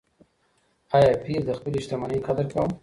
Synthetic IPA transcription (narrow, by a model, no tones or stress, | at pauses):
ɑjɑpiɾd̪əxpəleɪʃt̪ɪmanaikad̪əɾkawəm